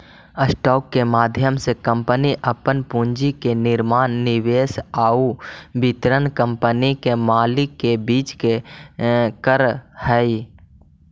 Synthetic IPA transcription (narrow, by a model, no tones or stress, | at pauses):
əsʈɔːkːemaːd̪ʱjəmsekə̃mpəniʔəpənpũːɲd͡ʒikenɪɾmaːnːɪʋeːsaːubɪt̪ɾənkə̃mpənikemaːlɪkːebiːt͡ʃke | kəɾhɛi